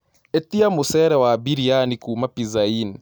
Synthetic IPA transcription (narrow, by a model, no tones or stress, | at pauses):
ɛt̪iamusɛɾɛwabiɾianikuːmapizain